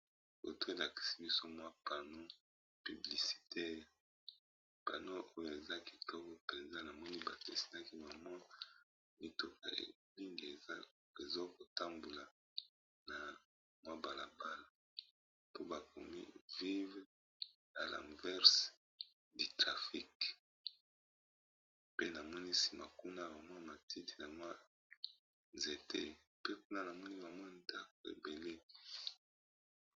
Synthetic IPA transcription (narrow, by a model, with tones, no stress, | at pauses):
bo̰˨tu˦e˨la˨ki̥˨si˦bi˦so˦mwa˦pa˨no˦ | py˨bli˨si̥˨tʰɛ˦ʁ | pa˨no˦ʔo˦jo˨e˨za˦ki̥˨tɔ˦kɔ˦pe˨nza˦na˨mɔ˦ni˦ba˨te˨si̥˨na˦ki˦ma˨ma˦ | mi˦to˨ka̰˨ḛ˨li˦ŋɡe˨˦ | e˨zo˦ko˨ta˦mbu˨la˨ | na˨ | mwa˦ba˨la˨ba˦la˨ | po˦ba˨ko̰˨mḭ˦vi˦v | na˨la̰˨mvɛ˦ʁs | di˨tʁa˨fi˦k | pe˦na˨mɔ˦ni˦si̥˨ma˨ku˦na˦˨ba˨mɔ˦˨ma˨ti˦ti̥˨na˨mwa˦ | ze˨tʰḛ˦ | pe˦k̚u˦na˦na˨mɔ˦ni˦ba˨mɔ˦nda˦ko˨ḛ˨be˨le˦